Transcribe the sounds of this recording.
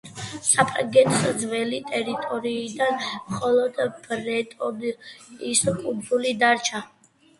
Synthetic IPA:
sʼapʼaɡɛnsd̪zvɛlit̪ʼɛɾit̪ʼɔɾiːd̪anmχɔlˠɔd̪b̥ɾɛt̪ʼɔbiskʼubʰulid̪aɾt͡ʃʰa

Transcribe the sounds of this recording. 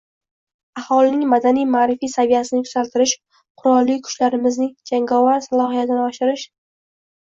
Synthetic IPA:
ahɒlɪnɪŋmad̪anijmaːɾɪfijsavijasɪnɪkʰʊ̥z̥alt̪ʰɪɾɪʃ | qʰʊɾɒlːikʰʊ̥ʃlaɾɪmɪznɪd͡ʒaŋɡɒvaɾsalˠɒhijat̪ʰɪnɪɒʃɪɾɪʃ

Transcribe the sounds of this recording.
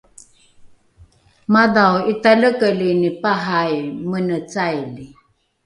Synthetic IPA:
maðawitaləkəlinipaɦajmənət͡sajli

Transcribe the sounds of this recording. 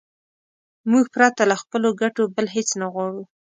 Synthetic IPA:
muɡ̚pɾat̪alaxpəloɡaʈobəlɦet͡snaɣwɑɽu

